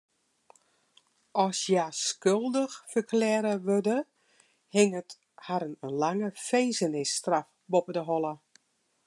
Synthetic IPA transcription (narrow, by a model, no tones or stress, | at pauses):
ɔsjaskølˠdəxfərklɛːɾəʋødə | hɪŋət | haɾənənlaŋəfeːzənɪstraf | bopədəɦɔlˠə